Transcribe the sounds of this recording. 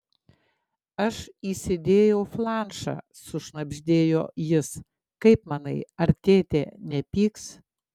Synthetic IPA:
ɐʃiːsʲɪd̪ʲeːjɛʊflˠɑːˑnʃɑ̰ː | sʊʃnɐbʲʒʲd̪ʲeːjoːjɪs | kɐɪpmɑnɐɪɐɾʲt̪ʲeːt̪ʲḛːnʲɛpʲiːks

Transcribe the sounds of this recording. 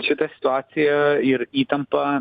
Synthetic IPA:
t͡ʃʰɪt̪ɐsʲɪ̥t̪uaːsijɐiɾiːt̪ɐmpɐ

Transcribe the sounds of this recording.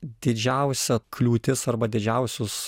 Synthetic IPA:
d̪ʲɪd͡ʒʲɛʊsʲɛkʰlʲuːt̪ʲɪsɐrbɐd̪ʲɪd͡ʒʲɛʊsʲʊs

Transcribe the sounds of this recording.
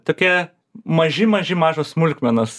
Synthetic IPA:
t̪oːkʲɛ | mɐʒʲɪmɐʒʲɪmɑːʒoːssmʊlʲkʲmʲɛnɐs

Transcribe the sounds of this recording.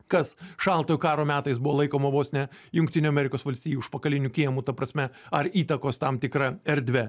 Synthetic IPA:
kɐsʃɑlˠt̪oːjukɑːɾoːmʲæːt̪ɐɪsbʊʋoːlˠɐɪkoːmɐʋoːsʲnʲɛjʊŋʲkt̪ʲɪnʲoːɐmʲɛɾʲɪkoːsʋɐlʲsʲt̪ʲiːjuːɪʃpɐkɐlʲɪnʲukʲiɛmuːt̪ɐpɾɐsʲmʲɛɐɾiːt̪ɐkoːst̪ɐmt̪ʲɪkɾɐɛɾʲd̪ʲʋʲɛ

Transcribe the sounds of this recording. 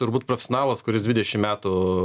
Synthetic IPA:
t̪ʊɾbuːt̪pɾofʲɛsʲonɑːlˠɐskʊɾʲɪsd̪ʲʋʲɪd̪ʲɛʃʲɪmmʲæːt̪ʊ

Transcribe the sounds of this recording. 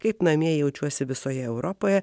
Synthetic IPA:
kɐɪpnɐmʲiɛjɛʊt͡ʃʲuɔsʲɪʋʲɪsoːjɛɛʊɾʔɔpoːjɛ

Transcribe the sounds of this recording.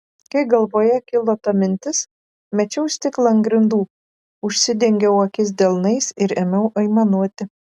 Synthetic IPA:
kɐɪɡɐlˠʋoːjɛkʲɪlˠoːt̪ɐmʲɪnʲt̪ʲɪs | mʲɛt͡ʃʲɛʊsʲt̪ʲɪklˠɐŋɡɾʲɪnd̪uː | ʊʃʲsʲɪd̪ʲɛŋʲɡʲɛʊɐkʲɪs̬d̪ʲɛlˠnɐɪsɪɾɛmʲɛʊʔɐɪmɐnuɔt̪ʲɪ

